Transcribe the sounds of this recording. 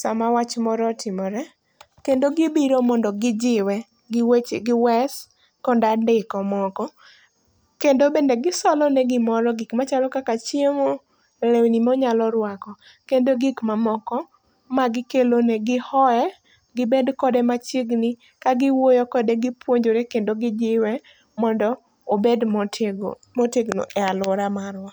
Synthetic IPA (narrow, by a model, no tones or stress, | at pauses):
samawat͡ʃmɔɾɔtʰɪmɔɾɛ | kendoɡɪbiɾomɔndɔɡɪd͡ʒɪwɛ | ɡɪwet͡ʃeɡɪwɛs | kɔndadɪkɔmɔkɔ | kendobendeɡɪsɔlɔnɛɡɪmɔɾɔɡikmat͡ʃalɔkakat͡ʃjemo | lewnimɔɲalɔɾwakɔ | kendoɡɪkmamɔkɔ | maɡɪkeloneɡɪhɔɛ | ɡɪbedkɔdɛmat͡ʃiɡni | kaɡɪwojokɔdeɡɪpwoɲd͡ʒoɾekendoɡɪd͡ʒɪwɛ | mɔndɔ | obedtɡ | moteɡno̰ʔɛalʊɾamaɾwa